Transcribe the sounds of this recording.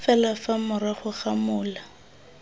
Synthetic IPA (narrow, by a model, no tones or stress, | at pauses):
fɛlafamʊɾaχʊχamʊːla